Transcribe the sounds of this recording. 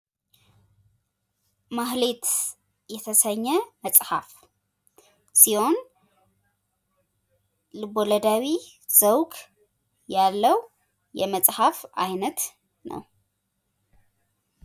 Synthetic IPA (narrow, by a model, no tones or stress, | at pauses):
maɦlet̪ | jɛt̪ʰəsəɲːɛməsʼhaf | siho̞n | lɨboləd̪awi | z̥əwkʼ | jalːəw | jɛməsʼhafajnət̪ | nə̰w